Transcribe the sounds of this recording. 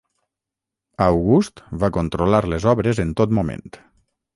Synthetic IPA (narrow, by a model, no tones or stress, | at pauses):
awɣust̪βakont̪ɾolaɾlezɔβɾezent̪ot̪mumḛ̃nt̪